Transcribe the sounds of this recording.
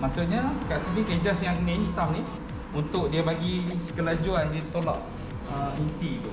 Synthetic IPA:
maʔsʊʔ̚ɲakaʔsəbiked͡ʒasjaŋnent̪amni | unt̪ʊʔ̚diəbaɡikəlad͡ʒuandit̪olɔ̰ʔ | əɦunt̪it̪u

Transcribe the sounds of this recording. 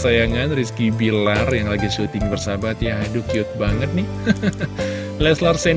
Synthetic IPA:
sajaŋanriskibilarjaŋlaɡiʃut̪ɪŋbərsabat̪jaɦadʊkiʊt̪̚baŋət̪̚nɪh | lɛslarsɛn

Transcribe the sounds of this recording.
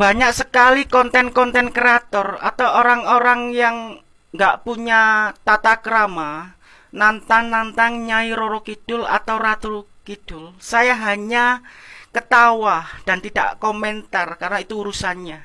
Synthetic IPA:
b̥aɲak̚səkalikɔnt̪ɛnkɔnt̪ɛnkɾeat̪ɔra̰t̪awoɾaŋoɾaŋjaŋ | ŋɡaʔpuɲat̪at̪akəɾama | nant̪aŋnːant̪aŋɲaiɾoɾɔkid̥ʊla̰t̪awɾat̪ul | kid̥ʊlsajaɦaɲakət̪awahd̥ant̪ida̰ʔkomɛnt̪arkarnait̪uuɾusanɲa

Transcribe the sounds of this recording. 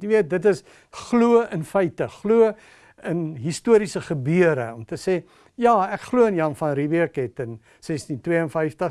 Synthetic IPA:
niviət̚dətəs | χluəənfəjtəχluə | ənɦistuəɾisəχəbiəɾəɔmtəseː | jɑːækχluəənjɐnfɐnɾiviəkɛtən | sɛstintwiəənfəjftəχ

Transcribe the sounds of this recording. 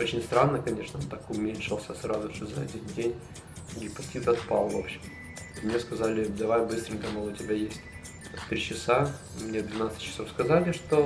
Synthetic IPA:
ot͡ɕɪnʲst̪ɾanːəkɐnʲe̞ʂnəont̪akʊmʲenʲʂɨlˠsʲəsɾazʊʂɨzɐɐ̰dʲɪnʲdʲenʲ | ɡʲɪpɐtʲit̪ɐt̪palˠvo̞̰pɕɪm | mnʲeskɐzalʲɪd̪ɐvajbɨst̪ɾʲɪŋʲkəmɑlˠʊtʲɪbʲajesʲtʲ | t̪ɾʲit͡ɕɪsa | mnʲed̪vʲɪnat̪sə̥tʲt͡ɕːɪ̥sofskɐzalʲɪʂt̪o

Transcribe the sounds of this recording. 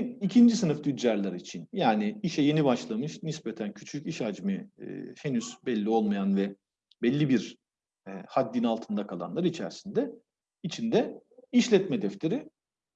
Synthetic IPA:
icʰind͡ʒisɯnɯfd̪yd̪jaɾlˠaɾit͡ʃʰinjaːniiʃɛje̞nibaʃlˠamɯʃnispɛt̪ʰæncʰyt͡ʃʰyciʃad͡ʒmɯ̰henyz̥bɛlʲːio̞lˠmajanvɛ | bɛlʲːibiɾ | had̪ːinalˠt̪ʰɯnd̪akʰalˠa̰nlˠaɾit͡ʃʰæ̰ɾsind̪ɛ | it͡ʃʰind̪ɛiʃlʲɛt̪mɛd̪ɛflʲe̞ɾi

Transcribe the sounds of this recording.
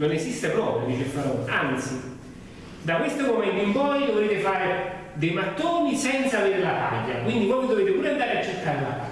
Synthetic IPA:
nonesist̪epɾɔːpɾjod̪iːt͡ʃefaɾɔant̪si | d̪akwest̪omomɛnt̪oimpɔjd̪ovɾeːt̪efaːɾe | d̪ejmat̪ːoɲisɛnt̪saveːɾelat̪a̰ʎːakwind̪ivojmid̪oveːt̪epuːɾeand̪aːɾeat͡ʃːet̪ʰːaːɾelat̪a̰

